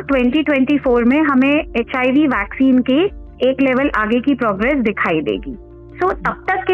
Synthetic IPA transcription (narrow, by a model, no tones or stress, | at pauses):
ʈwɛ̃ɳʈiʈʋɛ̃ɳʈifoːɾmẽɦɐmẽeːt͡ʃaːiʋiʋɛːksiːnke | eːkleːʋəlʔaːɡekipɾɔːɡɾɛːsd̪ɪkʰaːid̪ḛːɡiː | soːt̪ɐb̚t̪ɐkːe